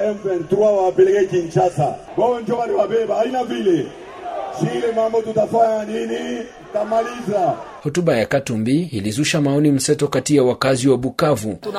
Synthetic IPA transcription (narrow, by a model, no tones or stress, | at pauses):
ɛɱvɛn̩tɾwawapɛlɛɡɛkint͡ʃata̰ | wawɛnd͡ʒɔwaniwaɓɛbaːinavilɛ | siɛmambɔtutafaɲanini | tamaliza | hɔtuɓajakatumbiilizuʃamaɔnim̩sɛtɔkatijawakaziwaɓukavu